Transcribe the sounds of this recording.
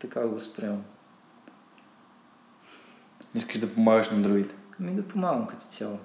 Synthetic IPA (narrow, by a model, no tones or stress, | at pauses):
t̪ɐkaɡɐspɾɛ̃m | iskəʒd̪ɐpumaɣɐʃnɐ̃nd̪ɾoid̪kɐmĩnd̪ɐpumaɡɐ̃mkɐt̪u̥sʲjalˠ